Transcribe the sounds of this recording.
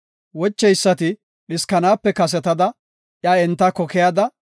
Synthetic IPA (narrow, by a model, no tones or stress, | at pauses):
wɔt͡ʃːɛjsːɐt̪ɪ | ɗɪskɐnaːpːɛkɐs̬ɛt̪ɐd̪ɐ | ʔjɐɛnt̪ːɐkɔkɛjad̪ɐ